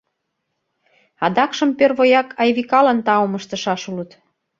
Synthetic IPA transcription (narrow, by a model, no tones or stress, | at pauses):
ɑd̪ɑkʃə̆mpørβojɑkʰɑjβikɑlənt̪ɑoməʃt̪ə̆ʃɑʃulət̪